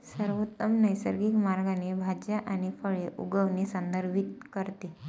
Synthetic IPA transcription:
səɾʋot̪ːəmnəjsəɾɡikmaɾɡanebʱad͡ʑjaʔaɽ̃ifəɭeʔuɡəʋnesənd̪əɾbʱit̪kəɾt̪e

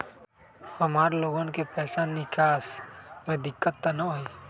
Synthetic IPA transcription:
həmaːɾloːɡõnkepɛːsanɪkʰaːsmɛ̃d̪ɪkːət̪ːɐnɐɦoi

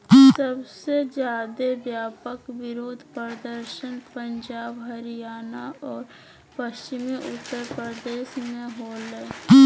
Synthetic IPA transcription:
səbsed͡ʒjaːd̪ebjaːpəkʋɪɾoːd̪ʱpəɾəd̪əɾʃənpə̃nd͡ʒaːbɦəɾijaːnaɔːɾ | pəst͡ʃɪmiʔʊt̪ːəɾpɾəd̪eːʃmẽɦoləe

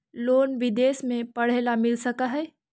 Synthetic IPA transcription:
loːnʋɪd̪eːsmẽpɐɽ̤eːlamɪlsɐkaɦɛː

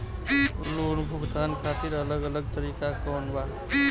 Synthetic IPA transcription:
loːnbʱʊɡt̪aːnkʰaːt̪iɾələɡələɡ̚t̪əɾiːkakɔːnbaː

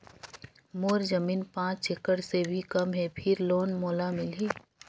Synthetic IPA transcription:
moːɾzəmiːnpãːt͡ʃekəɽsebʱikɐmɦɛpʰɪɾloːnmoːlamɪlɦiː

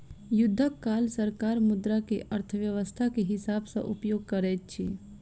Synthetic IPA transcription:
jʊd̪ʱːəkːaːlsəɾkaːɾmʊd̪ɾakeʔəɾt̪ʰəʋjəʋəst̪ʰakeɦɪsaːbsã̰ʔʊpjoːɡ̚kəɾɛːt̚t͡ʃʰi

